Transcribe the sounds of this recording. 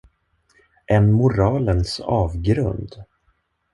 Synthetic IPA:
ʔɛnmʊɾɑːlənsɑːvɡɾɵ̰nd̪

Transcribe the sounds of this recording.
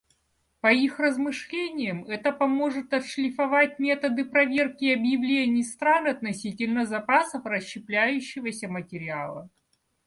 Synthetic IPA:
pɐixrəzmɨʂlʲenʲɪjəmɛt̪əpɐmo̞ʐɨt̪ɐt̪ʂlʲɪfɐvatʲmʲe̞t̪əd̪ɨpɾɐvʲe̞rkʲɪɐbjɪvlʲenʲɪjst̪ɾanɐt̪nɐsʲitʲɪlʲnəzɐpasəfrəɕːɪplʲæjʉɕːɪvəsʲəmətʲɪɾʲɪalˠə

